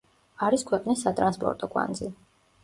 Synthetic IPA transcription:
aɾiskʰwɛqʼnisːat̪ʼɾanspʼɔ̰ɾt̪ʼɔkʼwa̰nd̪zi

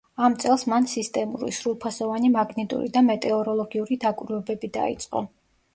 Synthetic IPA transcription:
amt̪sʼɛlˠsmansist̪ʼɛmṵɾḭsɾulˠpʰasɔvanimaɡnit̪ʼṵɾḭd̪amɛt̪ʼɛɔɾɔlˠɔɡiuɾid̪akʼɾvɛbɛbid̪a̰ḭt̪sʼqʼɔ̰

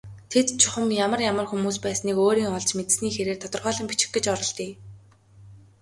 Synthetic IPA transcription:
t̪ʰet̪t͡ɕʰʊχə̆mjamə̆rjamə̆rxumuːspæːsniːkoːɾiːŋɔɮt͡ɕmet̪̆sniːxeɾeːrt̪ʰɔt̪ɞ̆rʁœːɮɞ̆mpit͡ɕɪ̥̆xɡĕt͡ɕɔɾɞ̆ɮt̪iː

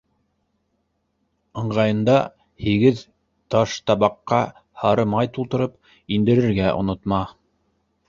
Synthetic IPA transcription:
ɤ̆ɴʁɑjɤ̆nd̪ɑ | hiɡɘð | t̪ɑʃt̪ɑβɑqːɑ | hɑɾɤmɑjt̪ulˠt̪ɤ̆ɾɤp | ind̪ɘ̆ɾɘ̆ɾɡæʔŏ̰nŏt̪mɑ

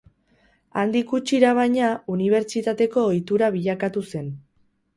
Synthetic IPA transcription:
and̪ikut͡ʃiɾaβ̞ajɲauniβ̞e̞ɾt͡ʃit̪at̪e̞ko̞ːjt̪uɾaβ̞iʎakat̪use̞n

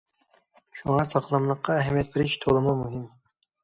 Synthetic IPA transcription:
ʃuŋɑsɑqlˠɑmlˠəqːɑɛɦɛmijɛt̪̚beɾɪʃt̪ʰolˠɨmʊmuɦɪm

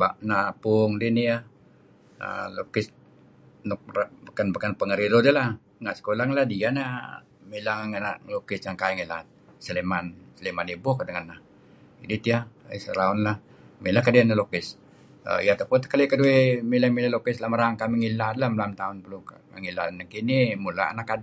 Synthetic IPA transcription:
baʔnapʊŋdinija | ə̰lo̰kɪs | nɔk̚abakanbakanpəŋəɾiɾodəlah | ŋaʔsə̥kolaŋladiana | milaŋaŋanaʔlokɪsjaŋkaiŋilaat̪̚səlemansəlemanibʊkdəŋanːah | idit̪iaḭsəɾaʊnlah | milahkadianalokɪs | ə̰jat̪apunt̪kalikəduemilamilalokɪslamaɾaŋkamiŋilat̪lamlamt̪aʊnpəluka | aŋila̰nakinimula̰a̰nakad

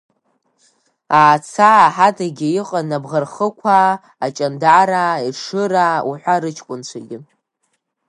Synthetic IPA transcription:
aːt͡sʰaːħatʰʼaɡʲɪiqʼanabʁarχəkʷʰaː | t͡ʃʼandaɾaːiʂɨraṵħʷaɾɨt͡ʃʰkʷʼʊnt͡ʃʷʰaɡʲɪ

